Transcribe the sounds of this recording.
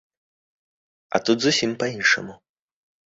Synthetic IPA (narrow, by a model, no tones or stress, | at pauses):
ɐ̰t̪ud̪zusʲimpɐinʂɐ̰mu